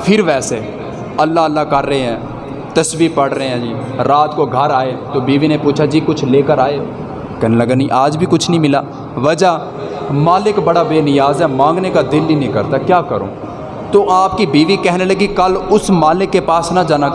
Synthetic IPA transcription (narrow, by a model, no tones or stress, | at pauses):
pʰɪɾʋɛːse | ɐlːaəlːakɐɾːəɦeɦɛ̃ː | t̪əsbiːkpɐɽɾəeɦɛ̃ːd͡ʒiː | ɾaːt̪koɡʱəɾaːet̪oːbiːʋinepuːt͡ʃʰad͡ʒiːkʊt͡ʃʰleːkəɾaːe | kɛɦneləɡanĩʔaːd͡ʒbʱikʊt͡ʃʰnəɦĩmɪlaː | ʋɐd͡ʒa | maːlɪkbɐɽabeːnɪjaːzɦɛmãːŋɡnekad̪ɪlːinĩkəɾt̪akjaːkəɾo̰ː | t̪oːʔaːpkibiːʋikɛɦneləɡikəɐlʊsmaːlɪkːepaːsnad͡ʒaːna